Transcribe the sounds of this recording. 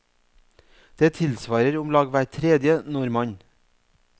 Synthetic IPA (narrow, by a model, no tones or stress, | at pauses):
d̪̥eːt̪ʰɪlsʋɑːɾəɾʊmlɑːɡʋæːtʰɾeːd̪jənʊɾmɑɲ